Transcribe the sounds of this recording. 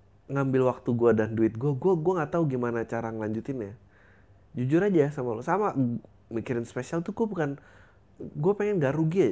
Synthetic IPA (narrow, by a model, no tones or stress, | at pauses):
ŋambɪlwak̚t̪uɡuadanduɪt̪̚ɡuaɡuaɡuaŋat̪auɡimanat͡ʃaɾaŋəlaɲd͡ʒut̪ɪnja | d͡ʒud͡ʒʊɾad͡ʒajasamalosama | mikiɾɪnspesialt̪uɡuabukan | ɡuapeŋɛnɡaʔɾuɡia